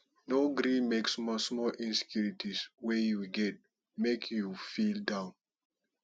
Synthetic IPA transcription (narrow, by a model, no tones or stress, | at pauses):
noɡɾĩmeksmɔsmɔlʔĩnse̥kjuɹitʰiswejuɡɛt̚ | mekʰjufildãʊ̃n